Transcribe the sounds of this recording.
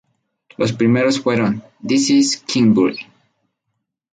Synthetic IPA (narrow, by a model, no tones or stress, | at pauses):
lospɾime̞ɾo̞sfwe̞ɾon | d̪isiskʰĩŋbṵɾ